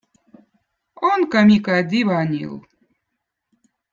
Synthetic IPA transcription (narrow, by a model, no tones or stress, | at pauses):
onkamʲikad̪ʲiβanʲḭlˠ